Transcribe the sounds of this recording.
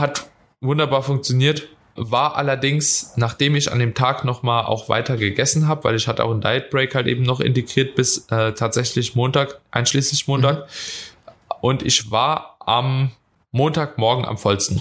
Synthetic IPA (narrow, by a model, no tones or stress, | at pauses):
hat | vʊndɐbaːɐfʊŋk̚t͡sjoniːɐt | vaːɐʔa̰lɐdɪŋsnaːχd̥eːmɪça̰ndeːmtʰaːknɔχmaːlʔa̰ʊxv̥a̰ɪtʰɐɡəɡɛsn̩ɦaːbəva̰ɪlɪçhatəa̰ʊxɪnda̰ɪt̚b̥ʁɛɪkhaltʔḛːbm̩nɔχʔɪ̰nteɡʁiːɐt̚b̥ɪsʔɛːtʰaːtz̥ɛçlɪçmoːntaːkʔaɪnʃliːslɪçmoːntaːk | ʔʊntɪçvaːɐʔamː | oːntaːkmɔɐɡŋ̩ʔa̰mfɔlstn̩